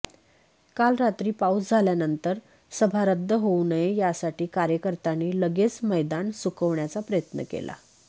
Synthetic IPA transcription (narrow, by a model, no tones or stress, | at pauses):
kalɾat̪ɾiːpaut͡sd͡zʱaljanənt̪əɾ | səbʱaɾəd̪ʱːəɦonəjejasaʈiːkaɾjəkəɾt̪aniːləɡet͡sməjd̪ansukəʋɳjat͡sapɾəjət̪nə̰kḛla̰